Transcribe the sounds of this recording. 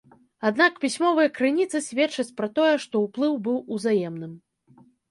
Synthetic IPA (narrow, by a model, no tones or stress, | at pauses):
ad̪nakpʲisʲmɔvɨjɐkɾɨnʲit̪sɨsʲvʲɛt͡ʂɐt͡sʲpɾat̪ɔjɛʂt̪ɔwplˠɨwbɨwuzajɛmnɨm